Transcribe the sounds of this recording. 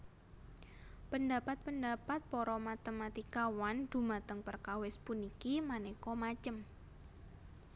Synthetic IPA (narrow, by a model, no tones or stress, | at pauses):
pəndapat̪̚pəndapat̪̚pɔɾɔmat̪emat̪ikawand̪̥ṳmat̪əŋpərkawɪspunikimanekɔmat͡ʃəm